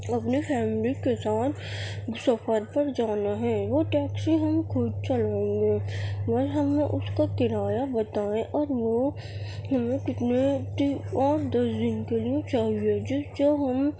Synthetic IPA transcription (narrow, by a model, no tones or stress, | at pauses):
ɐpnifʰɛːmlikesaːt̪ʰsɐfəɾpɐɾd͡ʒaːneɦɛ̃ːʋoʈɛːksiɦɐmkʰoːd͡ʒt͡ʃɐlẽɡeːmɐɾɦɐmẽʔʊskakɪɾaːjabɐt̪aːẽʔɔːɾʋo | ɦɐmẽkɪt̪net̪iɔːɾd̪ɐsd̪ɪnkelijet͡ʃaːɦied͡ʒʊd͡ʒoːɦɐm